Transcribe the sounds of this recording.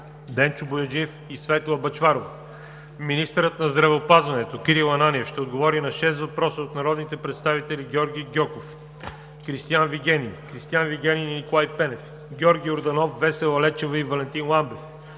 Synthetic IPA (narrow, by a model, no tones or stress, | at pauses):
d̪ɛnt͡ʃʊbojod͡ʒiɛfisvɛt̪oɐbɐt͡ʃvaɾovɐ | minist̪əɾət̪nɐzd̪ɾɐvɛopazvɐnɛt̪okiɾilˠɐnanʲiɛfʃt̪ɛod̪ɡovɔɾinɐʃɛst̪vɐpɾɔsəot̪nɐɾɔd̪nit̪ɛpɾɛt̪st̪avit̪ɛliɡʲɔɾɡʲijɡʲɔkof | kɾist̪ijanviɡʲɛninkɾist̪ianviɡʲɛnʲinnikolˠajpɛnɛf | ɡʲɔɾɡʲijoɾd̪ɐnɔfːɛsɛlˠɐlɛt͡ʃɛvəivɐlɛnt̪inlˠambɛf